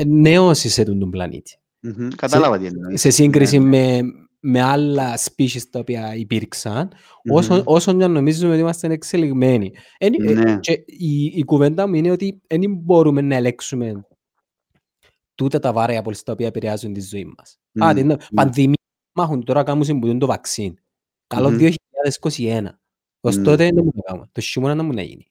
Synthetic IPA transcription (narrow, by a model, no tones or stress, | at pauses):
neosiset̪und̪omblɐ̰nḭt̪i̥ | kɐt̪alɐvɐt̪se̞siŋɡɾis̬imːe | mealːɐspiʃist̪ɐopiɐipiɾksɐn | osoʔo̞soɲːɐnːo̞mizːumeoiimɐst̪ɐnekseliɣme̞ni | enit͡ʃeiːkuvend̪ɐmuineot̪ienimbo̞ɾumenːɐeleksume̞n | t̪ut̪ɐt̪ɐvɐɾɐɐpolst̪ɐo̞piɐpeɾieɐzunt̪izːoimːɐs | at̪inpɐnðimi | mɐxunt̪oɾɐkɐmus̬imbut̪und̪ovɐksin | kɐlo̞ðio̞çiʎːaðesko̞sienɐ̰ | ost̪o̞t̪enɐmunɐka̰mṵnt̪oʃːimonɐnɐmunɐ̰jḭni